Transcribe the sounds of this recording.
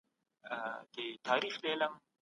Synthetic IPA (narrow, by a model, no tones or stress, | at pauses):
t̪et̪ʰaːɾiːxleːlɐŋ